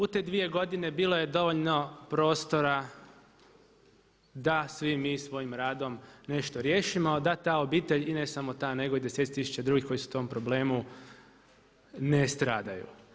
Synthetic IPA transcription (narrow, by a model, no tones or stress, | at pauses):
ut̪e̞ːd̪ʋije̞ɡo̞d̪ine̞biːlˠo̞je̞d̪o̞ʋo̞ʎno̞pɾo̞ːst̪o̞ɾa | d̪asʋimiːsʋo̞ːjimɾaːd̪o̞mne̞ʃt̪o̞ɾje̞ːʃimo̞d̪at̪aːo̞biːt̪e̞ʎine̞samo̞t̪aːne̞ɡo̞id̪eset̪t̪isu̥t͡ɕad̪ɾuːɡixko̞jisu̥t̪o̞mpɾo̞ble̞ːmu | nest̪ɾaːd̪ajṵ